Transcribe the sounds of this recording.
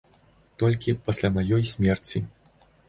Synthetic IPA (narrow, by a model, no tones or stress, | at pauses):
t̪ɔlʲkʲipɐsʲlʲamajɔjsʲmʲɛrt͡sʲi